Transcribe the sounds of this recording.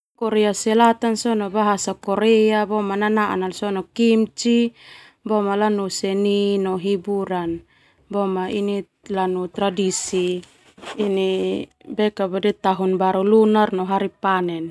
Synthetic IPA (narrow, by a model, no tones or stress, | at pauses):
kɔɾɛasɛlat̪ansɔnɔbaɦasakɔɾɛabɔmananaʔa̰nalsɔnɔkimt͡ʃi | bɔmalanusɛninɔɦibuɾan | bɔmaini | lanut̪ɾadisiː | nibɛkabadɛt̪aɦunbaɾulunarnɔɦaɾipanɛn